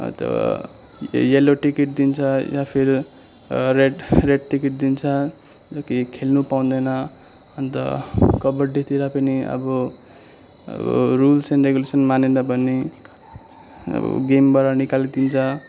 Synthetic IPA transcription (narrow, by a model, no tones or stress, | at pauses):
t̪ʌ̰ | jeloʈikiʈ̚d̪int͡sʰʌjapʰiɾ | rereʈʈikiʈ̚d̪int͡sʰʌ | jʌkikʰelnupaw̃d̪ʌjnʌː | nt̪ʌ̰kʌbʌɖet̪iɾapʌniʌ̰bʌ | rulsenreɡulesʌnmanenʌbʌnːe | b̰ɡembʌɾanikalid̪int͡sʰʌ